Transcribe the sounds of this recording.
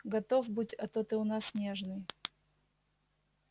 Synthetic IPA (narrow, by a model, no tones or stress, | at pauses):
ɡɐt̪ovbɨtʲɐt̪ot̪ɨʊnasnʲeʐnɨj